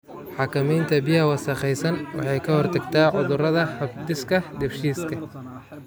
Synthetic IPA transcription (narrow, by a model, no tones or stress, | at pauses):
ħɑkʰɐmɛjnt̪ʰɐbɪjɐɦɐwɐsɐqɛjsɐnwɑ̰ħɑjkʰɐhɔrt̪ʰɐɡt̪ʰaːʕʊðʊrɐðɐħɐbd̪ɪskʰɐd̪ɛfʃiːskʰɐ